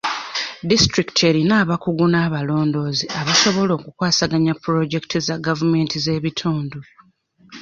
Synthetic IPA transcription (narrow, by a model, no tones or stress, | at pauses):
distɾiktʰe̞ɾinaːβakuɡunaːβalo̞ːndo̞ːziʔaβaso̞βo̞lo̞ːkukwaːsaɡaɲapːuɾo̞ɟe̞ki̥tʰizaɡavume̞ntize̞ːβitʰuːndu